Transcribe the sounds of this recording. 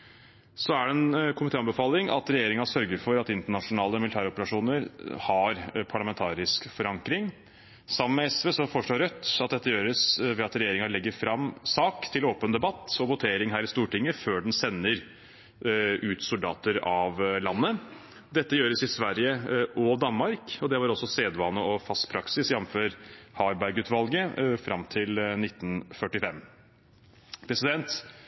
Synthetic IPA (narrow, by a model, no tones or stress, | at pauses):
sɔæɖɛɛnkʰʊmɪt̪eːɑnbəfɑːlɪŋɑ̰t̪ɾɛjeːɾɪŋɑsœɾɡəɾfɔɾɑt̪ɪnt̪əɳɑʂʊnɑːləmɪlɪt̪ʰæːɾɔpəɾɑʂuːnəɾhɑɾpʰɑɭɑmɛnt̪ʰɑːɾɪskfɔɾɑŋkɾɪŋ | sɑmənmɛɛsʋeːsɔfɔʂɭoːɾœt̪ːɑt̪̚d̪ɛt̪ːəjøːɾəsʋɛɑt̪ɾɛjeːɾɪŋɑlɛɡːəɾfɾɑmːsɑːkt̪ʰɪloːpənd̪ɛbɑt̪ːɔʋʊt̪ʰeːɾɪŋɦæːɾɪst̪uːʈɪŋːəføːɖɛnsɛnːəɾ | ʉːt̪sʊld̪ɑ̰ːt̪əɾɑʋlɑnːə | d̪ɛt̪ːəjøːɾəsɪsʋæɾjəʔɔd̪ɑnmɑɾkɔd̪ɛʋɑɾɔsːɔseːd̪ʋɑːnəɔfɑst̪pʰɾɑksɪsjɛnːføːɾhɑɾbæɪɡʉːt̪ʋɑlɡəfɾɑmt̪ʰɪlnɪt̪ːn̩fœʈɪfɛm | pʰɾɛsɪd̪ɛnt̪